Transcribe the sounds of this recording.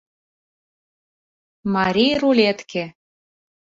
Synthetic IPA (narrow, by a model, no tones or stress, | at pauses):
mɑɾʲijɾulʲet̪kʰe